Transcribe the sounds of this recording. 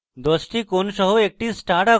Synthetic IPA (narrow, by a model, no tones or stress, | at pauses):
d̪osʈʰiːkonɕəɦuek̚ʈisʈaʈa